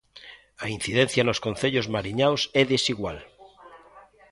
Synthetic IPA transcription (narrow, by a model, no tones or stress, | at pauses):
ain̟θiðen̟θjanoskõn̟θeʎozmaɾiɲawsɛðesiɣwal